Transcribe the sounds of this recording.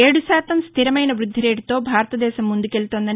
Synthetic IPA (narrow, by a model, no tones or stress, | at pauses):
eːɽusaːt̪ɐmstt̪ʰiɾɐmɐjnɐʋɾud̪ʱːiɾe̞ːɖit̪o̞ːbʱaːɾɐt̪ɐd̪ɛːʃɐmːund̪uke̞lut̪oːnd̪ɐ